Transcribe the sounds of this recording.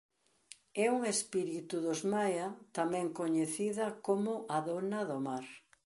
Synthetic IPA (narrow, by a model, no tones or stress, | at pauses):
ɛuŋespiɾit̪uðozmajɐt̪amɛ̃ŋkoɲeθiðɐkomʊʔaðonɐðomaɾ